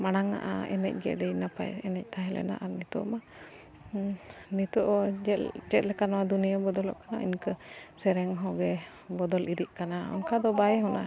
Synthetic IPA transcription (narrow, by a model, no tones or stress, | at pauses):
manaŋa̰ʔa̰ɛ̰nɛ̰c̚ɡɛ̰ʔɖɛjnapa̰jɛnɛc̚t̪aɦɛlɛ̰na̰ʔanit̪ṵʔma | nit̪ɔʔɔɛd͡ʒɛt̪̚lɛkanawad̪unijabɔd̪ɔlɔ̰ʔkanaḭnkəsɛɾɛŋɦɔ̃ɡɛ | bɔd̪ɔliɾiʔ̚kanaɔ̰nkad̪ɔbajɛɦɔna̰